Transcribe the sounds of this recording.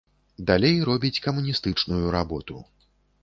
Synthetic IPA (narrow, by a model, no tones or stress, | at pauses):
d̪alʲejɾɔbʲit͡sʲkɐmunʲist̪ɨt͡ʂnujuɾabɔt̪u